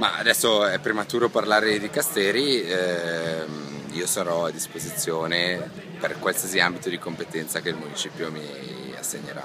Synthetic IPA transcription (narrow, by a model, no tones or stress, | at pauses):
ma̰a̰d̪ɛsːoɛpːɾemat̪uːɾoparlaːɾed̪ikast̪ɛːɾi | miːosaɾɔad̪ːispozit̪sːjoːne | perkwalsiziambit̪od̪ikompet̪ɛnt̪sakelmunit͡ʃiːpjomi | a̰sːḛɲːeɾa̰